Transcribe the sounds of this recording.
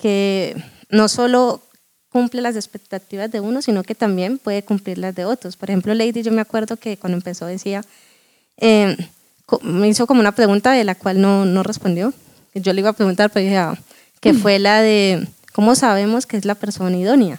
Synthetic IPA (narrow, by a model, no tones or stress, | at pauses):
ke | no̞so̞lo̞ | kumplelas̬e̞spe̞k̚t̪at̪iβazd̪e̞uno̞sinoke̞t̪ambje̞mpwe̞ðe̞kumpliɾlazd̪e̞o̞t̪ɾospoɾe̞xhe̞mplo̞le̞jd̪id͡ʒo̞meakwe̞ɾd̪o̞ke̞kwand̪oempe̞so̞ðesia | e | komeiso̞komounapɾe̞ɣunt̪aðelakwalno̞no̞re̞spo̞nd̪jo̞ | d͡ʒo̞leiβapɾe̞ɣunt̪aɾpeɾoihea | kefwe̞laðe | ko̞mo̞saβ̞e̞mo̞skeezlapeɾso̞naiðo̞nja